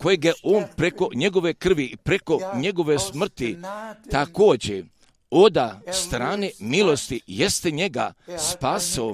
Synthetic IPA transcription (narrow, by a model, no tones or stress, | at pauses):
kojeɡjeʔoːnpɾeko̞ɲe̞ɡo̞ʋe̞kr̩ʋipɾe̞ko̞ɲe̞ɡo̞ʋesmr̩t̪it̪ako̞ːd͡ʑḛ | o̞d̪ast̪ɾaːnemilˠo̞st̪ijest̪eɲe̞ɡa̰spaːsio